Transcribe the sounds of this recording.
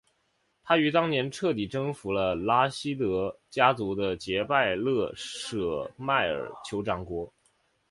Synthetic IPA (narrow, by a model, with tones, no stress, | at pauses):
t̪ʰa˥y˧˥t̪ɑ˥ŋnjɛ˧˥nʈ͡ʂʰɤ˥˩t̪i˨˩ʈ͡ʂɤ˥ŋfu˧˥lə˧la˥ɕi˥t̪ɤ˧˥t͡ɕja˥t͡su˧˥d̪ə˧t͡ɕjɛ˧˥pa˥˧ɪlɤ˥˩ʂɤ˨˧˩ma˥˩ɪə̰˞˨˩t͡ɕʰjo˧˥ʊʈ͡ʂɑ˧˥ŋkwɔ˧˥